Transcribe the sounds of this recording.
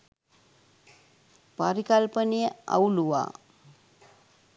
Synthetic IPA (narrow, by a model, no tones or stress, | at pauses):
paɾikɐlpənejəɐ̰wluʋa̰ː